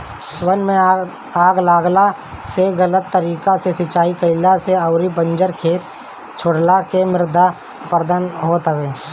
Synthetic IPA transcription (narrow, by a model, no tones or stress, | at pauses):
wənmẽ | aːɡlaːɡla | seɣələt̪ːəɾiːkasesɪt͡ʃaːikəɪlaseɐʊɾibə̃ɲd͡ʒəɾkʰeːt̪̚ | t͡ʃʰoɽlakemɪɾd̪a | pəɾd̪ənɦot̪əɡẽː